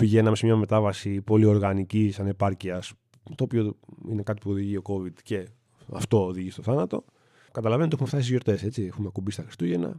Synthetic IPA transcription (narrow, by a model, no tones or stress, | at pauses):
piʝe̞nɐmesmɲɐme̞t̪ɐvɐsipo̞lio̞ɾɣɐnicisɐne̞pɐɾciɐs | t̪oːpio̞ine̞kɐt̪i̥puoðiʝio̞ko̞vid̪ce̞ | ɐ̰ft̪o̞ːðiʝist̪o̞θɐnɐt̪o̞̰ | kɐt̪ɐlɐve̞nt̪exumeft̪ɐs̬izʝjo̞ɾt̪e̞se̞t͡siexumekubist̪ɐxɾist̪uʝe̞nɐ̰